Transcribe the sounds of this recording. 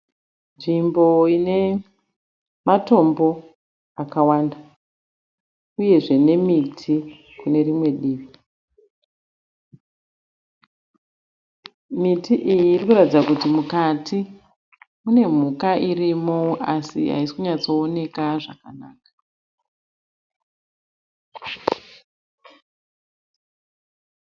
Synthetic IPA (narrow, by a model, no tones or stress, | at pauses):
nʐimbo̞ine̞ | mato̞mbo̞ | akawanda | uje̞ʐe̞ne̞mitʰi | kune̞rimwe̞ɗiːʋi | mitiʔijiːrikuratid͡zakutimukati | mune̞m̤ukaʔirimoʔasḭɦa̰isi̥kuɲat͡so̞ːne̞kaʐakana̰ːkḁ